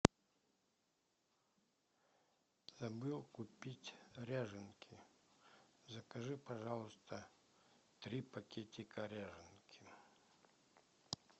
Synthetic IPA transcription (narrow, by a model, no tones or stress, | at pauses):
zɐbɨlˠkʊpʲitʲɾʲaʐɨnkʲʰi | zɐkɐʐɨpɐʐalˠəst̪ʰə | t̪ɾʲipɐkʲetʲɪkɐɾʲaʐɨnkʲʰi